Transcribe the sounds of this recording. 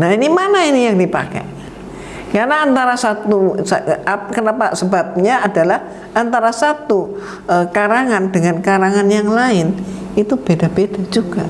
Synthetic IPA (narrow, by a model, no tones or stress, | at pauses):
naɦinimanainijaŋdipa̰ka̰ | kaɾənaːnt̪aɾasat̪uskənapasəbap̚ɲaːdalah | ant̪aɾasat̪u | əkaɾaŋandəŋankaɾaŋanjaŋlaɪnit̪ub̥edab̥edad͡ʒuɡ̥a